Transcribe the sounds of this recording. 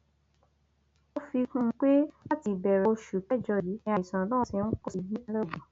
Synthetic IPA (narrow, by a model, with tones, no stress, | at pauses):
o˦fi˧kũ˦˧˦k͡pe˦a˦ti˧˨bɛ˨ɾɛ˨˧ʃu˨pɛ˦˨d͡ʒɔ˧˨ji˨˦ɛ˧a˧˨i˨sã˨lɔ̃˦˨si˧n̩˦kɔ˦si˧bi˦a˧lɛ˦˨bɔ̃˨